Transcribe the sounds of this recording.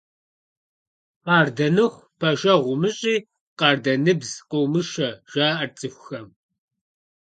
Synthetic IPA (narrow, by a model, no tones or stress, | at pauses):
qɑːrdɐnɨχʷ | pʰɐʒɐʁʷʊmɨɕʼiː | qɑːrdɐnɨbzqowmɨʃɐʒ̥aːʔɐrt͡sʼɨxʷxɐm